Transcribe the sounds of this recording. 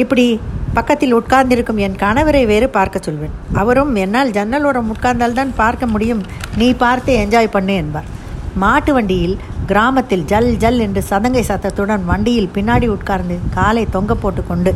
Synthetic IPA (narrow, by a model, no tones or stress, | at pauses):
ɪpːɐɽipɐkːɐt̪ːɪlʊʈ̚kaːɾnd̪ɪɾɯkːɯmɛnkɐɳɐʋɪɾɐɪʋeːɾɯpaːɾkɐt͡ʃːɔlʋeːnɐʋɐɾɯmɛnːaːld͡ʒɛnːɐlɔːɾɐmʊʈ̚kaːɾnd̪aːlt̪aːnpaːɾkɐmʊɽɪjɯm | niːpaːɾt̪ɯɛɲd͡ʒaːjpɐɳːɯɛnbaːɾ | maːʈːɯʋɐɳɖɪjɪl | ɡɪɾaːmɐt̪ːɪld͡ʒɐld͡ʒɐlɛndrɯsɐðɐŋɡɐɪsaːt̪ːɐt̪ːɯɽɐnʋɐɳɖɪjɪlpɪnːaːɽiʊʈkaːɾnd̪ɯkaːlɐɪt̪ɔŋɡɐpːoːʈːɯkːɔɳɖɯ